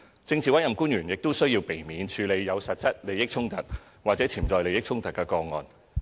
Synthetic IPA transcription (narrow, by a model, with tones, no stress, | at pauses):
t͡sɪ˧ŋt͡sʰi˨wɐ˥jɐ˨mkuː˥njyː˨˩njɪ˨k̚t̪o˥wsɵ˥ɥjiː˧wpe˨˩jmiː˨˧nt͡ʃʰyː˨˧le˨˧jːɐ˨˧wsɐ˨t̚t͡sɐ˥t̚le˨˧jɪ˥k̚t͡sʰʊ˥ŋt̪ɐ˨t̚ | waː˨t͡sɛː˨˥t͡sʰiː˨˩t͡sɔː˨jle˨˧jɪ˥k̚t͡sʰʊ˥ŋt̪ɐ˨˩t̚kɛː˧kɔː˧ŋɔ̰ː˨n